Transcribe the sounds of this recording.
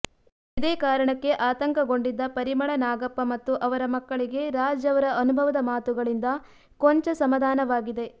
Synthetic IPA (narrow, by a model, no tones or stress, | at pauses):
id̪eːkaːɾɐɳɐkːe̞ʔaːt̪ɐŋkɐɡo̞ɳɖid̪ːɐpɐɾimɐɭɐnaːɡɐpːɐmɐt̪ːuʔɐʋɐɾɐmɐkːɐɭiɡe̞ɾaːd͡ʒɐʋɐɾɐʔɐnubʱɐʋɐd̪ɐmaːt̪uɡɐɭind̪ɐ | koɲt͡ʃɐsɐmɐd̪ʱaːnɐʋaːɡid̪e̞